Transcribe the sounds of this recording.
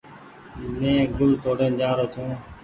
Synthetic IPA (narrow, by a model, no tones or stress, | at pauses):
nẽːɡʊlt̪oːɽẽːnd͡ʒaːɾoːt͡ʃ̪ʰõː